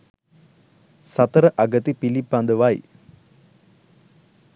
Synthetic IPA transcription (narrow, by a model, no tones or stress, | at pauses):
sɐt̪ɐɾəʔɐɡɐt̪ipilipːand̪əʋaːj